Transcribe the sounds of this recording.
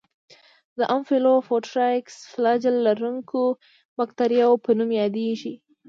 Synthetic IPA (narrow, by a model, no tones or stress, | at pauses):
d̪əʔamfelofoʈɾaksflad͡ʒalːaɾuŋkʰo | makt̪aɾjɑwopənumjɑd̪eʒi